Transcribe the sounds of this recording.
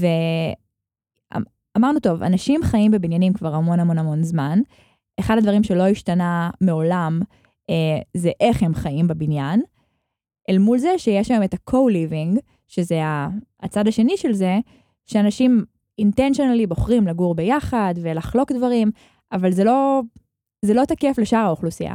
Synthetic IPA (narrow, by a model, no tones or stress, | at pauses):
ve | a̰ | amaʁnuto̞va̰naʃimχajimbebinjanimkvaʁamo̞namo̞namo̞nzman | eχadadvaʁimʃelo̞iʃtanameo̞lam | ezeʔeχhemχajimbebinjan | ʔelmulzeʃejeʃlaemetakʰowliviŋɡ | ʃezeaːt͡sadaʃe̞niʃelze̞ | ʃeanaʃim | intenʃionalibo̞χʁimlaɡuʁbejaχadvelaχlo̞kdvaʁim | avalzelo̞ | zelo̞takefleʃaʁaoχlusia̰